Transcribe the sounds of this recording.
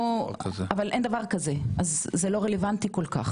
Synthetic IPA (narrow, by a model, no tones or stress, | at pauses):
zavalʔend̪avaʁkazeʔazːelo̞ʁelevant̪iko̞lka̰χ